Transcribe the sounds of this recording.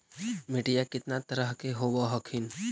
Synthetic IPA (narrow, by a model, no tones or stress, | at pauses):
meʈijakɪt̪nat̪əɾəɦkeɦobaɦəkʰin